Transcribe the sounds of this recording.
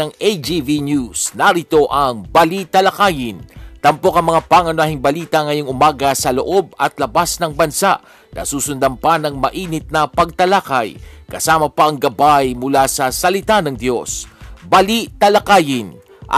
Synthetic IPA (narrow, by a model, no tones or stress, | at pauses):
ɐŋʔejd͡ʒivinjusnɐɾɪt̪o̞ʔɐŋbɐlit̪ɐlɐkaːjɪnt̪ɐmpo̞kɐŋmɐŋapaŋɐnʊaːɦɪŋbɐliːt̪ɐŋɐjoŋʔʊmaːɡɐsɐlo̞̰ʔo̞b̚ɐt̪lɐbasnɐŋbɐnsaʔ | nɐ̰suːsʊnd̪ɐmpɐnɐŋmɐʔiːnɪt̪̚nɐpɐɡ̚t̪ɐlakajkɐsaːmɐpɐʔɐŋɡɐbajmʊlasɐsɐlɪt̪anɐŋd̪jo̞sbɐliʔt̪ɐlɐkaːjɪn | ʔ